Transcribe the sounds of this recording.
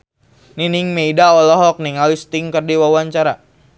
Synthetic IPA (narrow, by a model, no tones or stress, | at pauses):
niniŋmeidaɔlɔɦɔk̚niŋalist̪iŋkərdiwawaɲt͡ʃaɾa